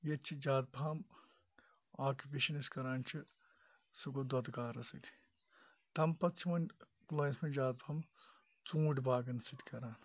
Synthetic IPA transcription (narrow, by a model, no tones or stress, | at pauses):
jet͡ʃʰid͡ʒaːd̪̚bʱaːm | aːkupeːʃɐniskɐɾaːnt͡ʃʰi | suɡod̪ɐt̪kaːɾɐsit̪ʰi̥ | t̪ɐmpɐtt͡ʃʰimɐn | kulaːsmɐd͡ʒaːd̪̚bʰaːm | t͡sũːɖbaːɡɐnsit̪kɐɾaːn